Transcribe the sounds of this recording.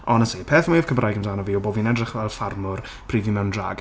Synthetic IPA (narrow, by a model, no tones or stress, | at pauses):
ɔnəsipʰeːθmwiəv̥kʰəmrʔajɡəmdaːnɔviːɔboːvinɛdrɪχvɛlˠfarmʊr | pʰriːvimɛwndra̰ːɡ